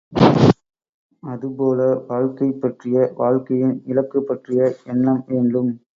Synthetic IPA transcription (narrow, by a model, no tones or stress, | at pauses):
ɐðɯpoːlɐʋaːɻkɐɪpːɐʈrɪjɐʋaːɻkɐjɪnɪlɐkːɯpːɐʈrɪjɐɛnːɐmʋeːnɖɯm